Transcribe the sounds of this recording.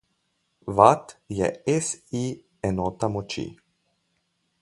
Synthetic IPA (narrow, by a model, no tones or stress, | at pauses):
ʋat̪jɛ̰ɛsi | ɛnɔːt̪amɔt͡ʃḭ